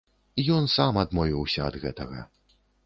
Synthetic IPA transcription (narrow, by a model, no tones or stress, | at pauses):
ijɔnsamɐd̪mɔvʲiwsʲɐɐd̪ɣɛ̰t̪ɐɣɐ̰